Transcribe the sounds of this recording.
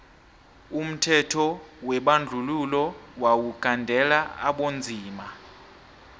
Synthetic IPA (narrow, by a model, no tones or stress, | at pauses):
um̩tʰɛtʰɔwɛɓand͡ɮʱululɔwawuɡ̥ʱandʱɛlaa̰ɓond͡zʱiːma